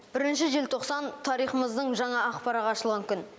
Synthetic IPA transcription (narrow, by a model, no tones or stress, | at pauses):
b̥ɪɾɪnʃɪʒelt̪ʰo̞qsɑnt̪ʰɑɾijχəməzd̪əɴʒɑɴɑːqpɑɾɑʁɑːʃəlˠʁɑŋkʲʏn